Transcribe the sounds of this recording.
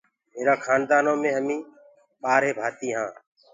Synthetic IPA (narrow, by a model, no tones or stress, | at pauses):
meːɾaːkʰaːnd̪aːnõːmẽːɦəmĩː | ɓaːɾɦeːbʱaːt̪iːɦãː